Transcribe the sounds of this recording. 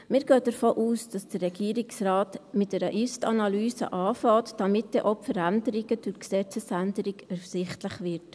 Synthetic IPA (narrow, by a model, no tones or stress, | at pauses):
mɪːɾɡ̥øːdəɾfoːʔuːsd̥ɑsd̥ərːɛɡ̥iːɾɪksɾɑːtmɪtɛɾəʔystɑ̰nɑlyːsə̰ʔɑːfɑːtd̥ɑmɪt̚d̥ɛʔɔpfəɾændəɾiɡəd̥ʊksɛt͡səsændəɾiɡɛfsɪχtləχʋɪɾt